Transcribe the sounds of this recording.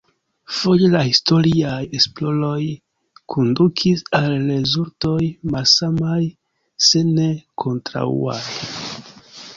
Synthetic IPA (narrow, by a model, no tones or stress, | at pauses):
fo̞jelahisto̞ɾiaje̞splo̞lo̞j | kʰondukʰisalːezuɾto̞jmalsamaj | se̞ne̞kʰo̞ntɾa̰ṵaj